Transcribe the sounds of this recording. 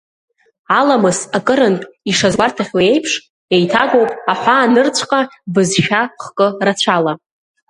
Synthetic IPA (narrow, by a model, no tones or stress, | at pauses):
alamɨsakʼɨɾɨntʼiʂazwartʰaχʲwae̞jpʰʂ | e̞jtʰaɡʷo̞wpʼaħʷaːnɨrt͡ɕʷʰqʼabɨzʃᶣaχkʼɨrat͡ɕʷʰala